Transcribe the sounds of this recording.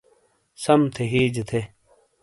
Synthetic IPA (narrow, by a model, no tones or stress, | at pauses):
sɐmt̪ʰeɦiːd͡ʑt̪ʰe